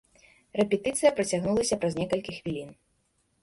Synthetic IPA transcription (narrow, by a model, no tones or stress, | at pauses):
rɛpʲɛt̪ɨt̪sɨjɐpɾɐt͡sʲaɣnulˠɐsʲɐpɾɐznʲɛkɐlʲkʲixvʲilʲin